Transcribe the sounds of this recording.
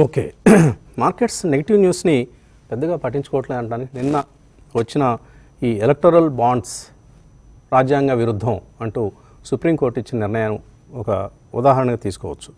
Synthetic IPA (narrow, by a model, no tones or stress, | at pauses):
oːkḛː | maːɾkeʈsne̞ɡɐʈiʋnjuːsni | pɛd̪ːɐɡaːpɐʈːiɲt͡ʃu̥kɔʋɐʈleɐɳʈaːnikininːɐ | ʋɐt͡ʃːinɐ | iːelek̚ʈɐɾɐlbaːɳɖs | ɾaːd͡ʒjaːŋɡaːʋiɾud̪ʱːɐ̃mɐɳʈuː | supɾiːmkoːɾʈːit͡ʃːinɐniɾɳɐjaːnu | ɔkɐ | ṵd̪aːɦɐɾɐɳɐɡaːt̪iːsu̥kɔ̰ːʋɐt͡ʃːu̥